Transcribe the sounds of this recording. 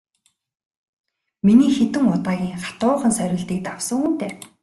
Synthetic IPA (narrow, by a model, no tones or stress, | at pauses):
miniːxet̪ɘ̆ŋʊt̪aːɣʲiːŋχḁt̪ʊːχə̆nsœɾʲɪ̆ɮt̪iːk̚t̪awsə̆ŋuːn̥t̪eː